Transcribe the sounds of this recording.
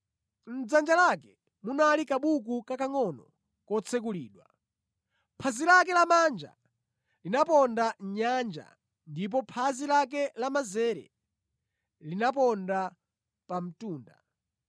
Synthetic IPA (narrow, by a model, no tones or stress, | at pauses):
n̩d͡zand͡ʒalakɛ | munalikaɓuk̬ukakaŋɔnɔ | kɔt͡sʰɛk̬uliːɗwa | pʰazilak̬ɛlamaːnd͡ʒa̰ | linapɔndaɲand͡ʒa̰ | ndip̬ɔpʰazilak̬ɛlamazɛɾɛ̰ | linapɔnda | pam̩tuːnda̰